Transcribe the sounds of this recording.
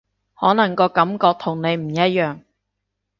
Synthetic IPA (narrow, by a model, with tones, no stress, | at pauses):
hɔː˨˥nɐ˨˩ŋkɔː˧kɐ˨˥mkɔː˧k̚t̪ʰʊ˨˩ŋne˨˧jm̩˨˩jɐ˥t̚jœː˨˩ŋ